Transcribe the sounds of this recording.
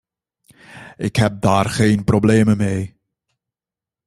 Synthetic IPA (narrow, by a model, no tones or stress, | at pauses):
ɪkɦɛp̚daːrχeːnprobleːməmeː